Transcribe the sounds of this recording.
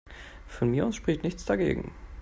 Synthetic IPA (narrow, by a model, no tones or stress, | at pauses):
fɔnmiːɐʊsʃpʁ̥ɪçtnɪçt͡sd̥aɡḛːɡŋ̩